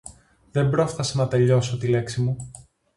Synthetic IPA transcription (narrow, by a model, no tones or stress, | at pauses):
ðe̞mbɾo̞sθɐsɐnɐt̪e̞ʎo̞so̞t̪ile̞ksimu